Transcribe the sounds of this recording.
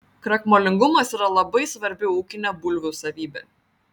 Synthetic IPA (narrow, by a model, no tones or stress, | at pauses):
kɾɐkmoːlʲɪŋɡʊmɐsiːɾɐlˠɐbɐɪsʋɐɾʲbʲɪuːkʲɪnʲɛbʊlʲʋʲʊsɐʋʲiːbʲḛ